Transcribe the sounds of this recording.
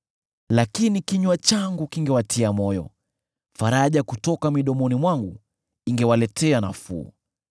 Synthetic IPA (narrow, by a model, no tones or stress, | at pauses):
lakinikiɲwat͡ʃaŋɡukiŋɡɛwatʰiamɔjɔ̰ | faɾaʄakutɔkamiɗɔmɔnimwaŋɡu | iŋɡɛwalɛtʰɛana̰fṵː